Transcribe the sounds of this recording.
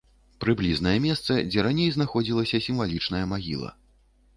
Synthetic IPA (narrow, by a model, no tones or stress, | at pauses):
pɾɨblʲiznɐjɛmʲɛst̪sɐd͡zʲɛɾanʲejznaxɔd͡zʲilˠɐsʲɐsʲimvalʲit͡ʂnɐjɐmaɣʲḭlˠɐ̰